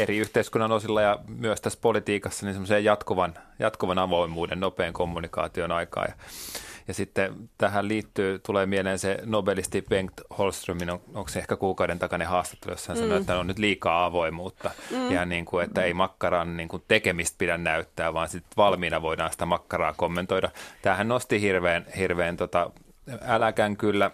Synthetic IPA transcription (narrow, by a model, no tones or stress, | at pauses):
eɾiyht̪eiskunːɑnosilːɑjɑmyøst̪æspolit̪iːkɑsːɑninsemːosejjɑt̪kuʋɑnjɑ̰t̪kuʋɑnɑʋoimuːdennopeːŋkomːunikɑ̰ːt̪ionɑikɑ̰ːjɑ̰jɑsit̪ːet̪æhælliːt̪ːyːt̪uleːmieleːnsenobelist̪iʋeŋkt̪holst̪rominookseehkækuːkɑuwdent̪ɑkɑnehɑːst̪ɑ̥t̪ːelø̰sːhɑnsɑnoet̪ːænonnyt̪liːkɑːɑʋoimuːt̪ːɑjɑniːŋkuet̪ːæeimɑkːɑrɑnniːŋkunt̪ekemist̪̚pidænnæyt̪ːæːʋɑːnsit̪ʋɑlmiːnɑʋoidɑːnsi̥t̪æmɑkːɑrɑːkomːent̪oidɑt̪æːhænnost̪ihirʋeːnhirʋeːnt̪ot̪ɑ | ælækæŋkylːæ